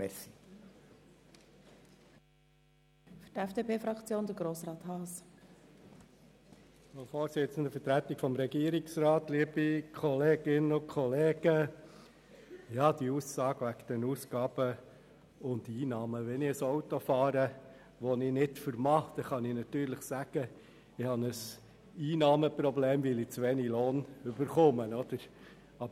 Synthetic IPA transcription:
mɛsi | fytɛfd̥epʰeːfɾɑkt͡sjoːnd̪əɡɾoːsɾɑːt̪hɑːs | ofoːɾsɪt͡sən̩d̪əfəɾtɾæt̪ːɪkfɔmɾɛɡiəɾɪksɾɑːt̪liəb̥ikʰɔleːɡ̥ɪnəʊkʰχɔleːɡ̥ə | jɑːd̪iusːɑːɡ̥ʋækd̥̪ɛnuːsɡ̥ɑːb̥ə | ʊndiːnɑːməʋɛnɪəsɔwt̪ofɑːɾə | ʋɔnɪnɪtfəɾmɑχt̪ɛχɑnɪnɑt̪yːɾləχsæɡ̥ə | ɪhɑnəs | iːnɑːməpɾɔbleːmʋɪlɪt͡sʋɛniloːnʏbəɾχʊmənɔd̥̪əɾ | ɑbə

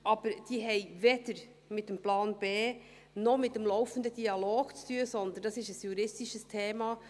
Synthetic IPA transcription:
ʔɑb̥əɾd̥iːɦɛɪvɛd̥əɾ | mɪt̚d̥ɛmplaɑːnb̥eː | nɔmɪt̚dɛmlɔʊfənd̪əd̥iɑloːɡ̥t͡stʰyːəsɔnd̪ənd̥ɑsɪʃəsjuɾɪstiʃəstʰeːmɑ

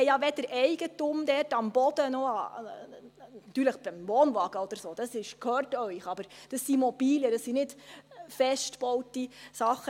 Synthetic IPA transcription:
ɛjɑʋɛd̥əɾʔɛɪɡ̥ətumd̪ɛɾtɑmb̥ɔd̥̪ənɔɑ | nt̪yːɾləχb̥ɪmʋoːnʋɑːɡ̥əɔd̪əɾsoːd̥ɑsɪʃkʰhøːɾtœʏχɑbəɾd̥ɑsːimɔb̥iːljəɾɑsːinɪdfɛʃtb̥ɔʊtisɑχə

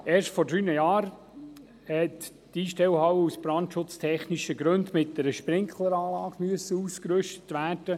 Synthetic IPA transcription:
eːɹʃtfɔɾdɾyːnəjɑːɾ | hɛt | d̥iːʃtɛwhɑwəusb̥ɾɑntʃʊt͡stʰɛχniʃəɡɾʉndmɪt̚dɛɾəʃpɾɪŋkχlˠəɾɑːlɑːɡ̥myəsəuːskɾʏʃtə̥tʋæːrd̥ə

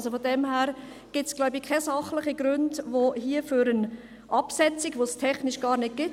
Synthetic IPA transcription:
sofodɛmhæːɾ | ɡ̥ɪtsɡ̥laʊbikʰɛsɑχlɪχiɡɾʉndvoɦiːəfyɾən | ʔɑpsɛt͡sɪɡʋostʰɛχnɪʃɡ̥ɑːɾnɪd̚ɡ̥ɪt

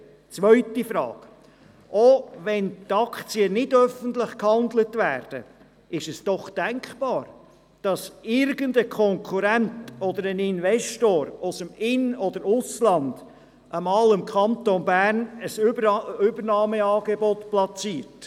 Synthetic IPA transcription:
t͡sʋœʏtifɾɑ̰ːɡ̥ | ʔoʋɛntɑkt͡siənɪdœfəntlɪχkhɑnd̪lətvæːrd̥ə̰ | ɪʃɛsd̥ɔχd̥æŋkχpɑːɾ | d̥ɑsɪɾɡəndəkʰɔŋkʰuɾæntɔd̪əɾənɪnvɛstoːɾosəmɪnɔd̥̪əɾʊslɑnd̪̥ | ʔəmɑːlɪmkχɑnt̪onbæːrnəsʏbəɾnɑːməɑːɡebɔtplɑt͡siːɾt

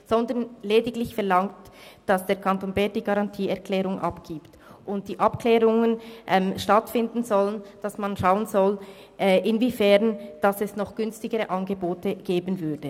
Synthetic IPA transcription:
z̥ɔndənleːdɪɡlɪçfɛɐlɑŋtd̥ɑsd̥eːɐkʰɑntoːnbɛd̥iːɡɑʁɑntʰiːɛɐkʰlɛːʁʊŋʔɑ̰pɡ̥iːpt | ʔʊnt̚d̥iːʔɑpklɛːʁʊŋənʔɛmʃtɑtfɪndn̩zɔlənd̥ɑsmanʃaʊənzɔl | ʔɛʔɪnvifɛʁnd̥ɑsɛsnɔχɡ̥ʏnstɪɡəʁəʔɑnɡəboːtəɡ̥eːbənvʏɐdə

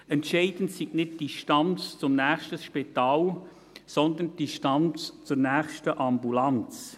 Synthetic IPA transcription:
ɛntʃɛɪd̥ən̩tsiknɪt̚d̥iʃtɑnt͡st͡sʊmnæːχʃtəsʃpit̪ɑːl | sɔnd̪ənd̥iʃtɑnt͡st͡sʊɾnæːχʃtəʔɑmbulɑnt͡s

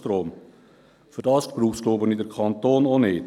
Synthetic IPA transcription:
tɾoːm | fyɾdɑːspɾuːχskloːbənid̪əɾkʰɑnt̪oːnonɪːt

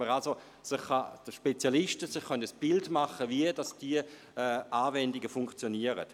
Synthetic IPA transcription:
əʁalso | sɪχːad̥əʃpet͡sjalɪʃtəsɪχːœntəsb̥ɪltmaχəviəd̥ɑsd̥iə | ɛaːvɛndiɡəfʊŋkt͡sjoniəʁə̰t

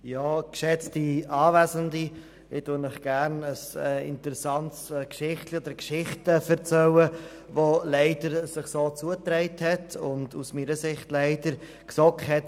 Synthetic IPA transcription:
jɑːkʃɛt͡stiɑːvæzəndi | ɪtunɪχɡ̥æɾnəsɪ̰ntəɾɛsɑntskʃɪχtliod̥̪əɾkʃɪχtəfɛɾt͡sɛwə | volɛɪdəɾsɪχsoːt͡suətɾɛɪthɛtʰʊndṵsmiːɾəsɪχtlɛɪdəɾ | ksɔkhɛt

